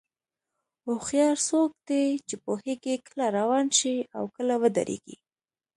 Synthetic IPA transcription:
oxjɑɾsok̚d̪et͡ʃepoheɡekəlaɾawɑnʃiawkəlawəd̪a̰ɾḛɡḭ

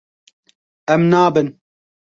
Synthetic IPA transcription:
ɛmnaːbɨn

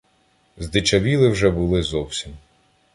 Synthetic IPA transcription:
zd̪ɪt͡ʃɐʋʲilˠɪwʒɛbʊlˠɪzɔwsʲim

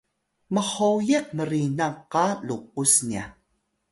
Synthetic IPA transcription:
məχojeq̚məɾinaqːaluq̚usnia̰

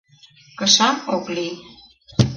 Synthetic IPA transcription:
kəʃɑmokli

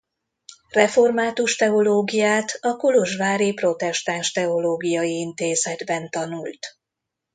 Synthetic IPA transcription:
rɛfo̞rmaːt̪uʃt̪ɛo̞loːɡijaːt̪ɒkuloʒvaːɾipro̞t̪ɛʃt̪aːnʃt̪ɛo̞loːɡijɒjiint̪eːzɛd̪bɛnt̪ɒnult̪

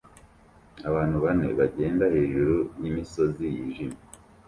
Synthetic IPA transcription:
aβaːn̥huβane̞̰βaɟe̞ːndahe̞ːʒuɾunimiso̞zijiʒima

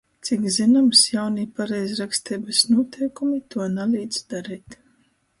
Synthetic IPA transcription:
t̪sikzinamsjawnipaɾɛjzɾakst̪ɛːbɨsnuɔt̪ʰɛjkumit̪uɔnaliːd̪zd̪aɾiːt̪

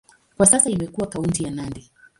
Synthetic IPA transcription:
kwasasaimɛkuwakauntijanandɛ

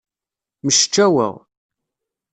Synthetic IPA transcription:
məʃt͡ʃːæwə̰ʁ

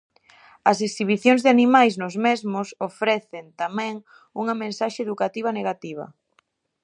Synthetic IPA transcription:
ɐs̬eksiβ̞iθjoŋzðɪanimajznʊzmezmʊsofɾɛθent̪amɛ̃ŋ | uŋɐmẽnsaʃeeðukat̪iβ̞ɐneɣat̪iβɐ̰

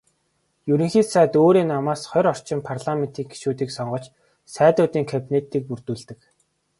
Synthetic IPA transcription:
juɾɘ̆ŋxiːsæːt̪oːɾiːnːamaːsχɔjɾɔr̥t͡ɕɪ̆mpʰarɮamen̥t̪ʰiːkɡi̥ʃuːt̪iːksɔɴɢɞ̆t͡ɕ | sæːt̪ʊːt̪iːŋkʰapinet̪iːk̚pur̥t̪uːɮt̪ɘ̆k

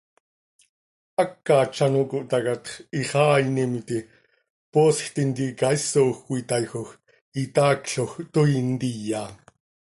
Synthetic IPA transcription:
ɑkːɑːt͡ʃːɑnokoʔt̪ɑkat̪χiχɑːinimit̪i | poːsxt̪int̪ikɑisoxkʷit̪ɑjxox | it̪ɑːkɬoxt̪oint̪ijːaː

